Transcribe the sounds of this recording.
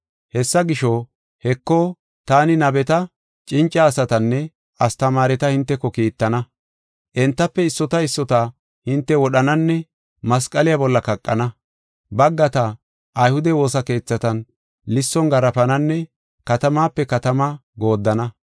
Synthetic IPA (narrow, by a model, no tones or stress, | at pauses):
hɛsːɐɡɪʃo | hɛkːo | t̪aːnɪnɐbɛt̪ɐ | t͡ʃʼɪnt͡ʃʼːaːsɐt̪ɐnːɛ | ʔɐst̪ɐmaːɾɛt̪ɐhɪnt̪ːɛkːɔkiːt̪ːɐnɐ | ʔɛnt̪ːɐpːɛɪsːɔt̪ɐɪsːɔt̪a | hɪnt̪ːɛwɔɗɐnɐnːɛ | mɐskʼɐlɪjabɔlːɐkɐkʼːɐ̰nɐ | bɐɡːɐt̪ɐ | ʔːjhʊd̪ɛwo̞ːsɐke̞ːt͡sːɐt̪ɐn | lɪsːɔŋɡɐɾɐfɐnɐnːɛ | kɐt̪ɐmaːpːɛkɐt̪ɐmɐɡo̞ːd̪ːɐnɐ